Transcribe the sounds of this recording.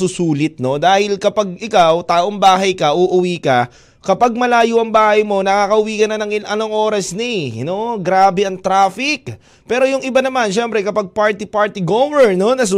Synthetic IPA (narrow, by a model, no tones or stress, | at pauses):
ʊsuːlɪt̪̚no̞d̪aːhɪlkɐpɐɡ̚ɪkawt̪aːʔoŋbaːɦɐjkɐʔuʔʊwiːkɐ | kɐpaɡ̚mɐlaːjʊʔɐŋbaːhɐjmo̞nɐkaːkɐʔʊwiːkɐnɐnɐŋɪʔɐnoŋʔo̞ːɾɐsnɪnoɡɾaːbɛʔɐŋt̪ɾaːfɪk̚ | pɛːɾo̞jʊŋʔɪbanɐmanʃɛmpɾɛkɐpaɡ̚paɹt̪ipaɹt̪ɪɡomɛɹno̞nɐs